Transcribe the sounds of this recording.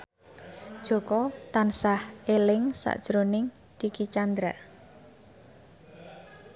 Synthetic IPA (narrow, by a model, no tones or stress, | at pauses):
d̥ʒ̥o̤kɔt̪ansahelɪŋsa̰ʔd̥ʒ̥ɾonɪŋ | t̪ikit͡ʃand̪ɾa